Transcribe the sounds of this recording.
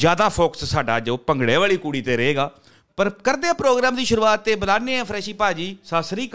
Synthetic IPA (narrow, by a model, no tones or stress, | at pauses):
zjaːd̪aːpʰoːkə̥ssaːɖaːd͡ʒoːpəŋɡɽeːʋaːɭiːkuːɽiːt̪eːɾəeːɡaː | pəɾkəɾd̪eãːpɾoːɡɾaːmd̪iːʃʊɾuːaːt̪ːeːbəlaːnẽːãːpʰɾɛːʃiːpaːd͡ʒiːsaːsɾiːk